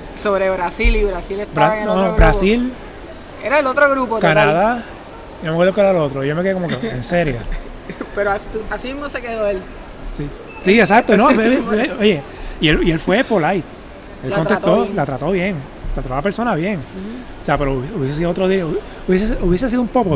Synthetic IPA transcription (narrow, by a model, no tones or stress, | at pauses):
soβɾeβɾasiliβɾasilet̪bɾaaoobɾasil | eɾaelot̪ɾoɣɾupot̪kanaða | nomekweɾðokeeɾalot̪ɾoijo̞mekeekomokeenseɾja | peɾoast̪asimiɦmosekeðoel | si | siesak̚t̪oinoeoje̞ | ielielfwe̞polajt̪̚ | elkont̪et̪olat̪ɾat̪o̞βje̞ŋ | t̪ɾat̪atounapeɾso̞naβje̞ŋ | oseapeɾouβjeses̬iðoot̪ɾoði | uβjes̬esuβjes̬es̬iðoumpoko